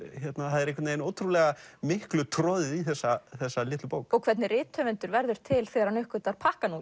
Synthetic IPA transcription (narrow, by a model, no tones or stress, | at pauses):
çɛt̪naθaðɛɾekvɛt̪nejnoːwt̪ʰɾulɛɣamɪhklʏt̪ʰɾɔðɪiθɛsːaθɛsːalɪːt̪lʏpoːwkɔɣkʰv̥ɛt̪nɪrɪːt̪ʰœvɪnt̪ʏɾvɛɾðʏɾ̥t̪ʰɪlθɛːɣaɾhanʏhkʏt̪aɾ̥pʰahkanu